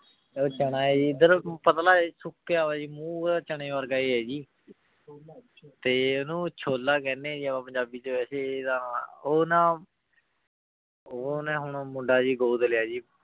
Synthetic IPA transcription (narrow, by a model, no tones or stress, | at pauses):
oːt͡ʃəɽ̃aːɛːd͡ʒiːɪd̪əɾpət̪laːisʊkːaːʋaːd͡ʒiːmũːaːt͡ʃəɳ̃ẽːʋəɾɡaːeːɦɛːd͡ʒiː | t̪eːonũːt͡ʃʰoːlaːkɛːnːẽːd͡ʒiːapãːpəɲd͡ʒaːbiːt͡ʃeːʋɛːseːd̪ãːoːnãː | oːnɛ̃ːɦʊɳ̃ːmʊɖaːd͡ʒiːɡoːd̪əljaːd͡ʒiː